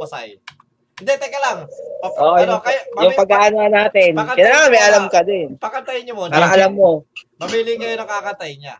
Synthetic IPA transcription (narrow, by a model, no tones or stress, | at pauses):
wɐsaj | d̪ɛt̪ɛkːɐlaŋʔoʔojʊɐjjʊŋpɐɡaʔananaːt̪ɛnkɐnaŋɐmɛjʔɐlamkɐd̪ɪnpɐkɐnt̪ajɲɐmopaːɾɾɐŋʔɐlamːo̞mɐmilɪŋɡɐjnɐŋkakɐt̪ajɲa